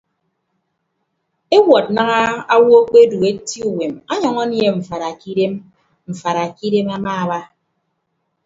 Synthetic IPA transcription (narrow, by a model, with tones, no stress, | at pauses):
e˦wɔ˨t̚na˦ŋa˦a˦wɔ˦o˦k͡pe˦du˨e˦ti˦u˦˨we˨ma˦ɲɔ˨ŋɔ˦nje˦ɱ̩˨fa˨ɾa˨ki˦de˦m | m̩˨fa˨ɾa˨ki˦de˦ma˦maː˦a˨ba˦